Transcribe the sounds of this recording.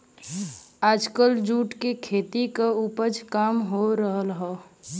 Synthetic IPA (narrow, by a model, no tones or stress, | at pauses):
aːd͡ʒkəld͡ʒuːʈkekʰeːt̪ikaupəd͡ʒkaːmɦoɾəɦəlɦɛː